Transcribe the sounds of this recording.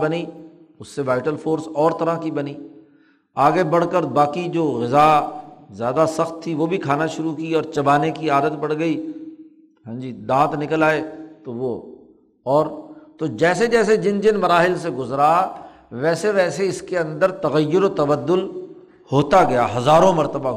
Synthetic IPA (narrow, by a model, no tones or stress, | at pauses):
bɐniː | ʊsːeʋaːɪʈəlfʰoːɾsɔːɾt̪ɐɾakibɐniː | aːɡebɐɽ̤kəɾbaːkid͡ʒoːɣɪzazjaːd̪asɐxt̪ʰːiʋobʱikʰaːnaʃʊɾukiɔːɾt͡ʃɐbaːnekiaːd̪ət̪̚bɐɽɡɐiː | ɦãːd͡ʒiːd̪ãːt̪nɪkəlaːet̪oʋo | ɔːɾt̪od͡ʒɛːsed͡ʒɛːs̬ed͡ʒɪnd͡ʒɪnmɐɾaːɦɪlseɡʊzɾa | ʋɛːseʋɛːseɪskeɐ̃nd̪əɾt̪ɐɣəjːʊɾot̪ɐbəd̪ːʊl | hoːt̪aɡɐjaɦɐzaːɾõmɐɾt̪əba